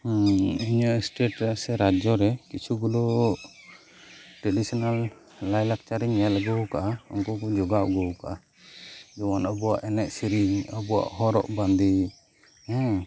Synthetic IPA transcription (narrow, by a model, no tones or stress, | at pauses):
iɲɔsʈeʈɾɛasɛɾad͡ʒɔɾɛkit͡ʃʰuɡɔlɔ | ʈɾɛɖisɔnalː | ajlak̚t͡ʃaɾiɲɛlɡɔwkaʔaɔŋkɔkɔd͡ʒɔɡaʔɡɔwkaʔa | d͡ʒɔwanɔbɔwa̰ʔɛnɛʔsiɾiŋɔbɔwa̰ʔɦɔɾɔ̰ʔband̪i | ɛ̃